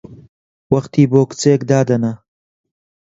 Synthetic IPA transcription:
wɐχt̪iːboːkɨ̥t͡seːkd̪aːd̪ɐnɐ

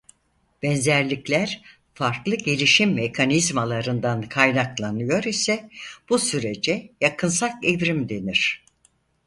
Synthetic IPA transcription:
b̥ɛnzæɾlʲiclʲæɾ̥ | faɾklˠɯɟelʲiʃimːekʰanizmalˠaɾɯnd̪ankʰajnaklˠanɯjo̞ɾisɛb̥usyɾe̞d͡ʒɛjakʰɯnsakevɾimd̪e̞niɾ̥

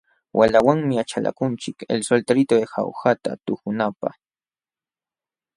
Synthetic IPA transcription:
wʔalawaŋmɪat͡ʃala̰kʊnt͡ʃɪkḛlsolt̪aɾɪt̪oexa̰wxat̪a̰t̪ʊkʊnapa̰χ

